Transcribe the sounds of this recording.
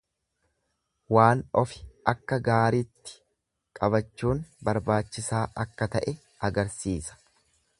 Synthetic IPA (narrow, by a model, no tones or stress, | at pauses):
waːnɔfɪ̥ʔɐkːɐɡaːɾit̪ːɪ̥ | kʼɐbɐt͡ʃːuːnbɐɾbaːt͡ʃːɪsaːʔɐkːɐt̪ɐʔɛ | ɐɡɐɾsiːsɐ̥